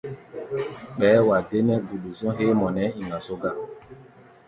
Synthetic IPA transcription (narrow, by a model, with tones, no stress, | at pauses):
ɓɛː˨˦wa˨de˦nɛ˦ɡu˨ɗu˨sɔ̃˦ɦe˦mɔ˨nɛ˦i˨ŋa˨so˦ɡa˦˨